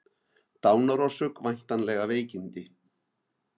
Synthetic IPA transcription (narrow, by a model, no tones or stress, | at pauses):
t̪awnaɾɔsʏkvaɲ̥t̪anlɛɣaβejcint̪ɪ